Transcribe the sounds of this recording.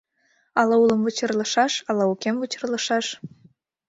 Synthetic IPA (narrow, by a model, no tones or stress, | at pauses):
ɑlɑulˠə̆mvət͡ɕɤ̆rlˠɤ̆ʃɑʃɑlˠɑukʲemvət͡ɕɤ̆rlˠɤ̆ʃɑʃ